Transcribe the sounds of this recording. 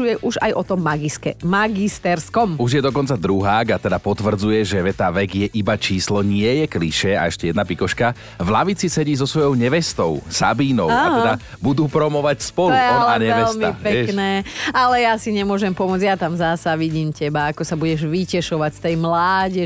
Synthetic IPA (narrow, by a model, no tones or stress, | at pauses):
ujɛʔuʒa̰jʔɔt̪ɔmːaɡiskɛmaɡist̪ɛɾskɔmuʒjɛd̪ɔkɔnt͡sad̪ɾuɦaːɡat̪ɛd̪apɔt̪ʋr̩d͡zujɛʒɛʋɛt̪aːʋɛɡjɛʔibat͡ʃiːslɔɲɪɛjɛkliʃɛa̰ɛʃcɛjɛd̪napikɔʃka | vlaʋit͡sisɛɟiːzɔsʋɔjɔʊɲɛʋɛst̪ɔʊsa̰biːnɔʊaatɛɛd̪a | bud̪uːpɾɔmɔʋacspɔluɔalaɲɛɛʋɛlsmiapɛɛknɛːalɛjasiɲɛmʊɔʒɛmpɔmʊɔd͡zjat̪amzasaʋiɟiːmcɛbaakɔsabuɟɛʒʋicɛʃɔʋacst̪ɛjmlaːɟɛ